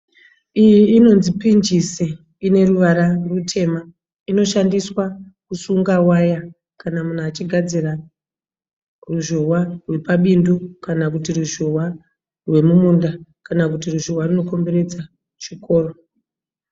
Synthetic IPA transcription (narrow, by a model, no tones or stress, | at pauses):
ijiːno̞nzipind͡ʒise | ine̞ruʋaɾarutʰe̞ma | ino̞ʃandiswakusuŋɡawaja | kanamun̤uat͡ʃiɡʱad͡zira | ruʒo̞warwe̞paɓindokanakutiruʒo̞wa | rwe̞mumundakanakutiruʒowarino̞ko̞mbe̞ɾe̞d͡za | t͡ʃiko̞ːro